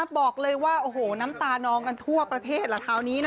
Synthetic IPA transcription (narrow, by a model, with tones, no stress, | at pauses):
bɔː˨˩k̚lɤː˧jwaː˥˩ʔoː˧˩hoː˨˩na˦˥mt̪aː˧nɔː˧ŋka˧nt̪ʰu˥˩ɐpɾa˧t̪ʰeː˥˩t̪̚lɛ˧˩t̪ʰaː˧˩wniː˦˥n